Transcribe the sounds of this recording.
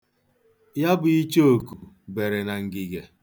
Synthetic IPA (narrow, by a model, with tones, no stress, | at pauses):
ja˦bʊ˨i˦t͡ʃe˦o˨ku˨ | be˨ɾe˨na˨ŋ̩˨ɡɪ˨ɡe˨